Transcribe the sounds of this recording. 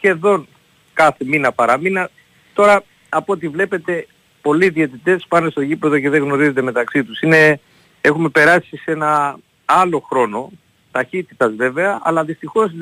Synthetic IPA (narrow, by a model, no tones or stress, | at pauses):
çe̞ðo̞n | kɐθe̞minɐpɐɾɐminɐ | t̪o̞ɾɐ | ɐpoot̪̬ivle̞pe̞t̪e̞ | po̞liːðie̞t̪it̪e̞spɐne̞st̪o̞ʝipe̞ðo̞ce̞ðe̞ɣno̞ɾize̞t̪e̞me̞t̪ɐksit̪usine̞ | e̞xume̞pe̞ɾɐsise̞nɐ | ɐlo̞xɾo̞no̞ | t̪ɐçit̪it̪ɐzve̞ve̞ɐɐ̰lɐðist̪ixo̞s